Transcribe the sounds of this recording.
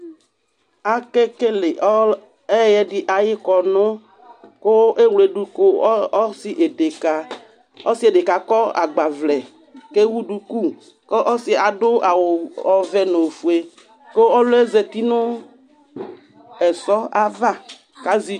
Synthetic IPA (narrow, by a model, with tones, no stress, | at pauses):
a˨ke˦ke˦le˨ʔ | ɛ˦jɛ˦dɪ˦ʔa˨jɪ˦kɔ˨nʊ̃˦ | ko˦ʔe˦wle˨ɖu˨ko˦ɔ˦sɪ˨ʔe˨de˨ka˨ | ɔ˦si˦e˨de˨ka˨kɔ˦a̰˨ɡ͡ba˨vlɛ˨ | ke˦wu˦ɖu˨ku˦˨ | ke˦ʔɔ˦sɪ˨a˨dʊ˦a˨wɔ˨vɛ˦nõ˨fu˨e˦ | ko˦ɔ˦lʊ˦e˦ze˨t̪i˦nʊ̃˦ | ɛ˨sɔ˦a˦va˦ | ka˦zi˨